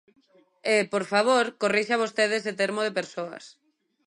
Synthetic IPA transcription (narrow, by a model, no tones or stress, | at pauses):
epoɾfaβoɾkoriʃaβ̞ost̪eð̞eset̪eɾmoðepeɾsoɐ̰s